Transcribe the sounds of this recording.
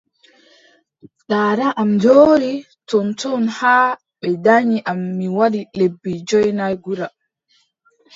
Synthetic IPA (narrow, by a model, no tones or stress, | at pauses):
ɗaːɾaʔamdoːɾi | tɔntɔnhaː | ɓɛdaɲiʔamːiwaɗilebːid͡ʒɔjnajɡuɾa